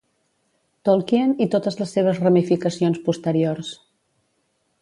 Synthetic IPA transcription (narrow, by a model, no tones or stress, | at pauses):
t̪olˠkiənit̪ot̪əzləsːeβ̞əzrəmifikəsionspust̪əɾiors